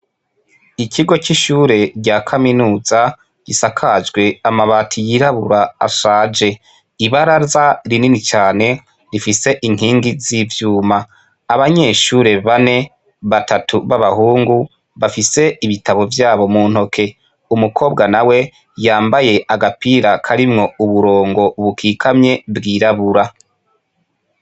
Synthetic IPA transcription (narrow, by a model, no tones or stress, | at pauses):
icʰiɡo̞t͡ʃiʃuːɾe̞ɾɟaːkʰaminuːza | ɟ̥isakʰad͡ʒɡwe̞amaβaːtʰijiɾaβṵɾaa̰ʃaːd͡ʒe̞ | iβaɾazaɾininit͡ʃaːne̞ | ɾifise̞ʔiŋ̥hiːŋɡizivjuːmaː | βaɲe̞ːʃuːɾe̞βane̞ | βatʰatʰuβaβahuːŋɡu | βafise̞iβitʰaβo̞vjaːβo̞muːn̥ho̞kʰe̞ | umukʰo̞ːbɡanawe̞ | jaːmbaje̞ʔaɡapiɾakʰaɾimŋo̞uβuɾo̞ːŋɡo̞βukʰiːkʰamɲe̞bɡiːɾaβuɾa